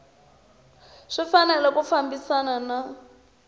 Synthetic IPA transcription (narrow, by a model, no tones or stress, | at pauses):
ʂifanɛlɛkufambisanana